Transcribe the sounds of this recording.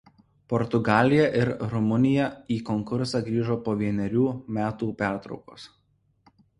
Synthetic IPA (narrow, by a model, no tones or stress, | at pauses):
pɔɾt̪ʊɡɑːlʲɪjɛʔɪɾɾɔmʊnʲɪjɛiːkɔŋkʊɾsɑˑɡɾʲiːʒoːpoːʋʲiɛnʲɛɾʲuːmʲæːt̪uːpʲæˑɾt̪ɾɒ̰ʊko̰ːs